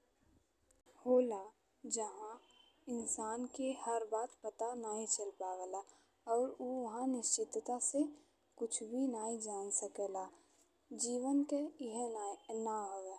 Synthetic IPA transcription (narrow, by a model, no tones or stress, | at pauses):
hoːla | d͡ʒɐɦã | ɪnsaːnkehəɾbaːt̪pət̪anaːɦĩt͡ʃɐlpaːʋəla | ɔːɾuɦãnɪʃt͡ʃɪt̪t̪ase | kʊt͡ʃʰbʱinaːɦĩd͡ʒaːnsəkelaː | d͡ʒiːʋənkeɪɦenaɦoːɡa